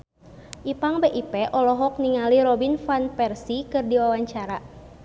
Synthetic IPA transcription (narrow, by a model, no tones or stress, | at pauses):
ʔipaŋbeʔipɛʔɔlɔɦɔk̚niŋaliɾɔbinfanpɛrsikɨrdiwawaɲt͡ʃaɾa